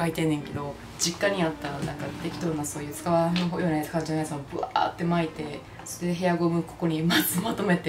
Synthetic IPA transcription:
kait̪e̞nːeŋke̞d̪o̞ | d͡ʑikːaɲ̟iat̪ːaanãŋkat̪e̞kʲi̥t̪oɾonaso̞ːjɯ̟ːsɨ̥kaβanoojoːnasɨkaβad͡ʑnaisamobɯ̟̰a̰ːt̪ːe̞mait̪e̞ | soɾed̪eɦe̞jaɡo̞mɯ̟ko̞̥ko̞ɲ̟imazɨmat̪o̞me̞t̪e

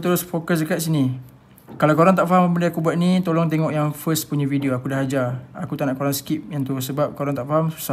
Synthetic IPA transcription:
t̪əɾʊsfokəsdəkat̪sini | kalawkoɾaŋt̪aʔfaɦaməbənlaakubuat̪̚nĩt̪olɔŋt̪̬eŋɔʔjaŋfəspuɲavidioakudaɦad͡ʒaakut̪anaʔkoɾaŋskip̚jaŋt̪uɾʊsəbap̚koɾaŋt̪aʔfaɦamsu̥sa

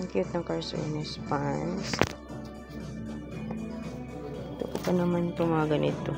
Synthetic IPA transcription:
ŋkjʊt̪̚nɐŋkaɹso̰nɛspans | t̪ʊpʊpɐnɐmant̪omɐŋɐɡɐnɪt̪o

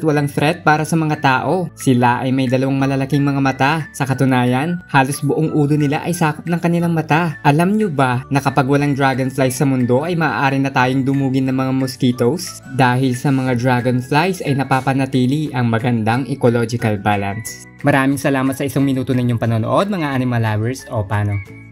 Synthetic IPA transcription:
t̪wɐlaŋt̪ɾɛt̪̚paːɾɐsɐmɐŋat̪aːʔo̞sɪlaʔɐjmɐjd̪ɐlɐwaŋmɐlɐlɐkiŋmɐŋamɐt̪asɐkɐt̪ʊnaːjɐnhaːlo̞sbʊʔoŋʔuːlonɪla̰ʔɐjsaːkop̚nɐŋkɐnɪlaŋmɐt̪aʔɐlamɲobanɐkɐpaɡwɐlaŋd̪ɾaːɡɐnflajsːɐmʊnd̪o̞ʔɐjmɐʔa̰ʔaːɾinɐt̪aːjoŋd̪ʊmuːɡɪnɐŋmɐŋamoskiːt̪ows | d̪aːhɪlsɐmɐŋad̪ɾaːɡɐnflajsɐjnɐpaːpɐnɐt̪iːliʔɐŋmɐɡɐnd̪aŋʔɛkolo̞d͡ʒɪkɐlbaːlɐ̰ns | mɐɾaːmɪŋsɐlaːmɐt̪sɐʔɪsaŋmɪnuːt̪onɐɪɲoŋpɐnoːno̰ʔo̞d̪̚mɐŋaʔaːnɪmɐlawɛɹsʔopaːno

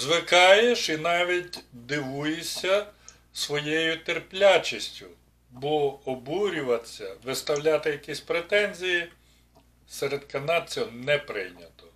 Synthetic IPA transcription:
zʋɪkɑjeʃinɑʋʲitʲd̪ɪʋujesʲɐ | sʋɔjejʊt̪erplʲat͡ʃisʲtʲʊ | bɔɔbuɾʲʊʋɐt̪sʲɐʋɪst̪ɐwlʲat̪ɪjɐkʲisʲpɾet̪ɛnʲzʲiji | seɾed̪kɐnɑt͡sʲɛnɛpɾɪ̰jnʲɐt̪ɔ

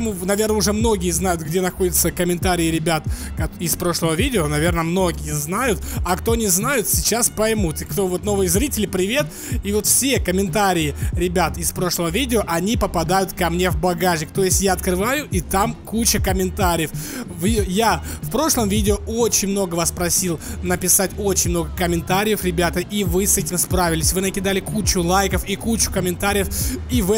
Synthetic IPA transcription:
munɐvʲe̞rnəʊʐɛmno̞ɡʲɪjəznajʊt̪ɡdʲenɐxo̞dʲɪt̪səkəmʲɪnt̪aɾʲɪɪɾʲɪbʲat̪kɐɪspɾo̞ʂlˠəvəvʲidʲɪonɐvʲe̞rnəmno̞ɡʲɪjəznajʊt̪ɐkt̪o̞nʲɪznajʊt̪sʲɪt͡ɕaspɐjmut̪kt̪ovo̞t̪no̞vɨjəzɾʲitʲɪlʲɪpɾʲɪvʲet̪ | ivo̞t̪fsʲe̞kəmʲɪnt̪aɾʲɪjɪɾʲɪbʲat̪ɪspɾo̞ʂlˠəvəvʲidʲɪoʔɐnʲipəpɐd̪ajʊt̪kɐmnʲe̞vbɐɡaʐʲɪkt̪o̞jɪsʲtʲjaɐt̪kɾɨvajʊʔit̪amkut͡ɕəkəmʲɪnt̪aɾʲɪjəfvjafpɾo̞ʂlˠəmvʲidʲɪoo̞t͡ɕɪnʲmno̞ɡəvaspɾɐsʲilˠnəpʲɪsatʲo̞t͡ɕɪnʲmno̞ɡəkəmʲɪnt̪aɾʲɪjəfɾʲɪbʲat̪əʔivɨsɛtʲɪmspɾavʲɪlʲɪsʲvɨnəkʲɪd̪alʲɪkut͡ɕʊlˠajkəfikut͡ɕʊ̥kəmʲɪnt̪aɾʲɪjəfivɛ

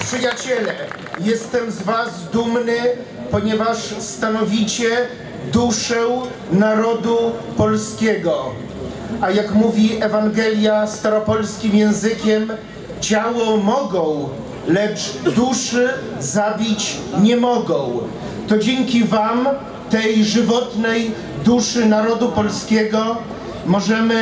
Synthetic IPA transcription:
pʂɘjat͡ɕɛlɛ | jɛst̪ɛmzvazd̪umnɘ | pɔɲɛvaʂst̪anɔvʲit͡ɕɛ | d̪uʂɛw | naɾɔd̪upɔlskʲɛɡɔ | ajakmuvʲiʔɛvaŋɡɛlʲjast̪aɾɔpɔlskʲimjɛ̃w̃zɘkʲɛm | t͡ɕawɔmɔɡɔ̃w̃ | lɛt͡ʂd̪uʂɘ | zabʲit͡ɕ | ɲɛmɔɡɔ̃w̃ | t̪ɔd͡ʑɛŋkʲivam | t̪ɛjʐɘvɔt̪nɛj | d̪uʂɘnaɾɔd̪upɔlskʲɛɡɔ | mɔʐɛmɘ

